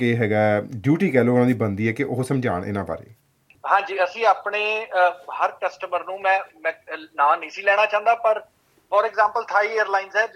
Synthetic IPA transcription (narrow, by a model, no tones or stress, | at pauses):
keːɦɛːɡaːɖjuːʈiːkɛːloːʊnãːd̪iːbənd̪iːɛːkɪʔʊɦsəmd͡ʒʱaːɳʔɪ̰nãːba̰ːɾḛː | ɦãːd͡ʒiːəsĩːaːpɳeːhəɾkəsʈəməɾnũːmɛ̃ːmɛ̃nãːniːsĩːlɛːɽ̃aːt͡ʃãːnd̪aːpəɾ | fɔːɾɛːɡzãːmpəlt̪ʰaːiːeːəɾlaːinzɛː